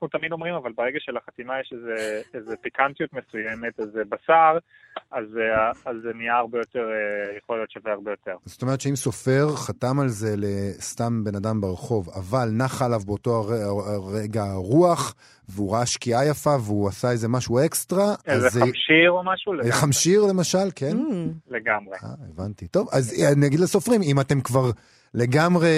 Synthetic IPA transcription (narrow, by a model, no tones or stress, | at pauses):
χut̪amid̪o̞mʁimavalbeʁeɡaʃelaχat̪imajeʃezeezepikant̪ijut̪mesujemet̪ezebasaʁ | azazːeniaːʁbejo̞t̪eʁejeχolijo̞tʃeveaʁbejo̞t̪eʁzot̪ome̞ʁetʃeimso̞fe̞ʁχat̪amalze̞le̞st̪ambe̞nadambeʁeχo̞va̰valnaχaːlavbeoto̞aʁeʁeɡaʁuaχ | veuʁaaʃkiajafaveuasaeze̞maʃue̞kstʁaazeʃiʁomaʃuleeχamʃiʁle̞maʃalkenleɡamʁea̰evantito̞vazaniaɡid̪laso̞fʁimimate̞mkvaʁ | le̞ɡamʁe̞